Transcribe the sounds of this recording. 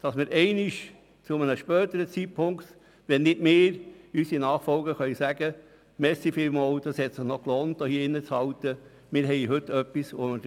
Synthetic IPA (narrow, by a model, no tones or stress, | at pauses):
d̥ɑsmɪːɾʔɛɪnɪʃ | t͡sʊmənəʃpœːt̪əɾət͡sit̚pʰʊŋkt̪ | ʋɛnːɪdmɪːɾysinɑːχfɔlɡəχœʏsæɡə | mɛsifɪlmoːld̥ɑshɛt̪sɪχnɔkloːnt̚ːoːhiːɪnːət͡shɑltə | mɪːɾɦɛɪɦɵt̪ːœpːisomə